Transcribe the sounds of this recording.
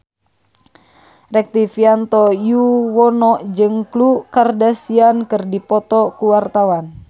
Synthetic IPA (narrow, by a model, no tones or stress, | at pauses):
rɛk̚t̪ifiant̪ɔjuwɔnɔʔd͡ʒɨŋklukardasiankɨrdipɔt̪ɔkuwart̪awan